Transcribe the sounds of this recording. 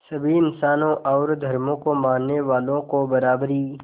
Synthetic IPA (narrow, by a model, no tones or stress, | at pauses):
sɐbʱiɪnsaːnõʔɔːɾd̪ʱɐɾmõkomãːnːeʋaːlõkobɐɾaːbɾiː